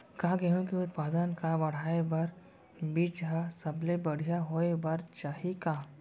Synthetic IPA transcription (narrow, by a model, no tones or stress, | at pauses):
kaːɡeɦõkeʊt̪̚paːd̪ənkabɐɽ̤aːebɐɾ | bid͡ʒɦasɐblebɐɽ̤ijaɦoebɐɾt͡ʃaːɦikaː